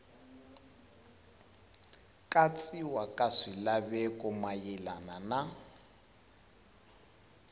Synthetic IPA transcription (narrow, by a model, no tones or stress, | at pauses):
kʼat͡sʼiwakʼaʂilabɛkʼɔmajɛlanana